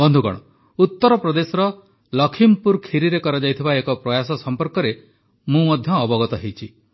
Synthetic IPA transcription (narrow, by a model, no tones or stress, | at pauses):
bɔnd̪ʱukɔ̰ɽ̃ɔ | ut̪ːɔɾɔpɾɔd̪esɔɾɔ | lɔkʰimpuɾkʰiɾiɾekɔɾɔd͡ʒajt̪ʰibaekɔpɾɔjasɔsɔmpɔɾkɔɾe | mũmɔd̪ʱjɔːbɔɡɔt̪ɔɦejt͡ʃʰi